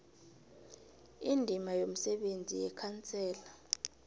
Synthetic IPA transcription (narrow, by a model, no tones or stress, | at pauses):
indʱimajom̩sɛɓend͡zʱijɛkʰant͡sʰʼɛːla